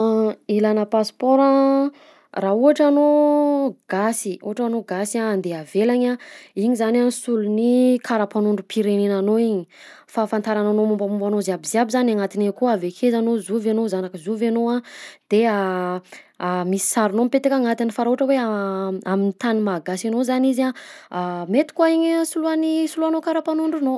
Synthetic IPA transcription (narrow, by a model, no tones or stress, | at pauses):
ilanəpaspɔɾa | rauɦaʈ͡ʂano | ɡ̥asiṵaʈ͡ʂanoɡasiaːnd̪eavelaɲaiɲizananisulunikʰaɾapanuɳɖ͡ʐupʰiɾenenanoiɲi | fafant̪aɾananomumbamumbanozeabiziabizanaŋat̪inekuavekʰezanozuvenozanakizuvenoad̪̥ea | amisi̥saɾinompet̪ikaŋat̪anifaɾauʈ͡ʂəwe | aminit̪animaɡasanozaniza | met̪i̥kuaiɲsuluanisuluanokaɾapanuɳɖ͡ʐuno